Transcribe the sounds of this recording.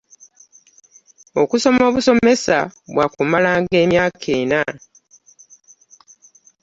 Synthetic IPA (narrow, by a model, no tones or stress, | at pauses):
o̞kuso̞mo̞ːβuso̞me̞saβwakumalaːŋɡe̞ːmjaːkʰe̞ːna